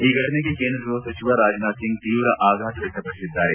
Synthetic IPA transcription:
iɡʱɐʈnekekẽːnd̪ɾɾosɐt͡ʃiʋaɾaːd͡ʒnaːsɪ̃ŋɡ̚t̪iːʋɾɐʔaːɡʱaːt̪ʋɐkɐpɾɐsɪd̪ʱːaːɾeː

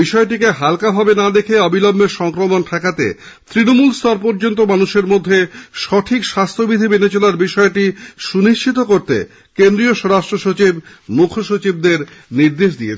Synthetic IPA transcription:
biʃɔeʈ̬ikeɦalkabʱabenad̪ekʰeɔbilɔmːeɾʃɔŋkɾomonʈʰɛkat̪ḛ | t̪ɾinomulst̪aɾpoɾd͡ʑont̪̬omanuʃeɾmod̪ʱːeʃɔʈʰikʃast̪ʰobid̪ʱibenet͡ɕolaɾbiʃɔeʈiʃuniʃt͡ɕʰit̪okoɾt̪ḛ | kend̪ɾioʃɔɾaʃʈɾoʃot͡ɕib | mukʰoʃot͡ɕib̚d̪eɾniɾd̪eʃd̪ijet͡ɕʰ

